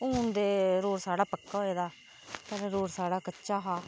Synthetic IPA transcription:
uːnd̪eːɾoːɾsaːɽaːpəkːaːɦoːeːd̪aː | t̪əɾeɾoːɾsaːɽaːkətːʃaːɦaː

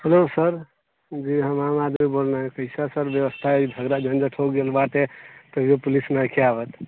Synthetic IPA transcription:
helosəɾ | d͡ʒiɦəmamad̪mibolnaɦɛ̃kəɪsasəɾbjəʋəst̪ʰaibʱəɡɾad͡ʒənd͡ʒəʈʰoɡelbaʈet̪ɔijopulisnakʰeabət̪

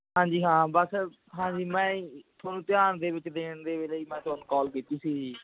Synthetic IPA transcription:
ɦãːɲd͡ʒiːɦãːbəs | ɦãːd͡ʒiːmɛ̃ːt̪ʰaːnũːt̪ɪjaːnd̪eːbɪt͡ʃd̪eːɳd̪eːʋeːləiːmɛ̃ːt̪ʊaːnũːkɔːlkiːt̪iːsiː

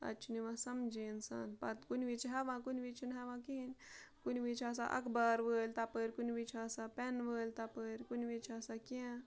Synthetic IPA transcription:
ɐ̰t͡ʃʰuniʋãsɐmd͡ʒeːnsa̰ːnpɐt̪kunʋit͡ʃɦɛʋãkunʋit͡ʃʰunɦɛʋãkiɦinkunʋit͡ʃʰas̬a̰ʔɐ̰kʰbəɾʋəːlʲt̪apəɾʲkunʋit͡ʃʰaːsapɛnʋəːlʲt̪apəɾʲkunʋit͡ʃʰaːsakã

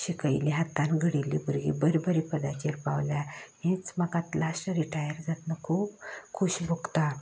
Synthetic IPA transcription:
ɕikəjliɦat̪anɡʱəɽilḭbuɾɡḭbəɾbəɾipəd̪at͡ɕiɾpa̰wljahẽt͡smakãt̪lasʈəɾiʈajəɾd͡zat̪nəkʰuːbkʰuɕbʱuɡt̪a

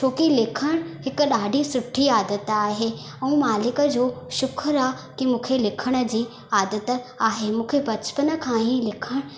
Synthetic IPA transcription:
t͡ɕʰoːkilɪkʰəɽ̃hɪkɗaːɖʱisʊʈʰiaːd̪ət̪aːɦe | ɛ̃maːlɪkə̆d͡ʑoːʃʊkʰɾaː | kimũːkʰelɪkʰəɽ̃ə̆d͡ʑiː | aːd̪ət̪aːɦemũːkʰebɐt͡ɕpənə̆kʰãːĩlɪkʰəɽ̃

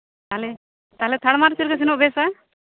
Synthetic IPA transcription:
t̪aɦlɛ | t̪aɦlɛt̪ʰaɽmaɾt͡ʃiɾɡas̬inɔʔbɛsa

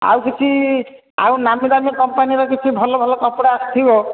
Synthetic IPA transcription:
a̰wkit͡ʃʰi | a̰wnamid̪amikɔmpaniɾɔk̬it͡ʃʰibʱɔlɔbʱɔlɔkɔpɽast̪ʰibɔ

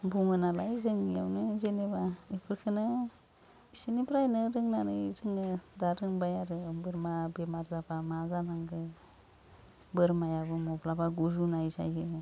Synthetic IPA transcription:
buŋɯnalajzɯŋja̰wnɯzenebaipʰɯɾkʰɯnɯ | isinibʰɾajnɯɾɯŋnanɯzɯŋɯdaɾɯŋbajaɾɯbɯɾmabemaɾzabamazanaŋɡɯ | bɯɾmajabɯmɔblabaɡuzunajza̰jɯ

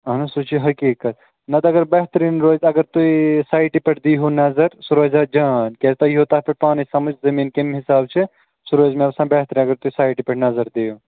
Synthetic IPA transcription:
ɦɐnɐsut͡ʃʰiɦɐkiːkɐt̪̚ | nɐt̪ːɐɡəɾbɛɦt̪ɾiːnɾoːd͡ʒɐɡəɾt̪uisaːjʈipeʈʰd̪iɦonɐzəɾsuɾod͡ʒad͡ʒaːnkɛt̪ɐiɦot̪aɦpeɾpaːnisɐməd͡ʒzɐmiːnkemɦisaːb̚t͡ʃʰe | suɾoːd͡ʒmeɐbsãbeɦt̪ɾiːnɐɡəɾt̪uisaːjʈipeʈʰnɐzəɾd̪eɦo

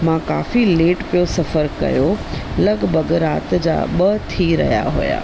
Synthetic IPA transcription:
mãka̰ːfileːʈpijosɐfəɾkɐ̰jolɐɡbʱəɡɾa̰ːt̪d͡ʑa̰ɓət̪ʰiɾɐ̰ɦija̰ɦo̰ja̰ː

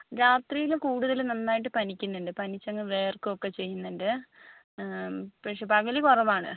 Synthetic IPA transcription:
ɾaːt̪riːjilukuːɽuðɐlnɐnːaːjiʈːɨpɐnikʲːunːɐɳɖɨpɐnit͡ɕːɐŋːɐʋeːrkɨokːe̞t͡ɕe̞jːunːɐnɖɨ | pɐkʂe̞pɐɣɐlikurɐʋaːɳɨ̰

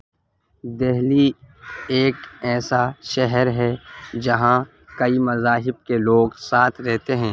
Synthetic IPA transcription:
d̪ɛɦli | eːkɛːsaʃɛɦəɾɦɛd͡ʒɐɦã | kɐimɐzaːɦɪb̚keloːɡsaːt̪ʰɾɛɦt̪eɦɛ̃ː

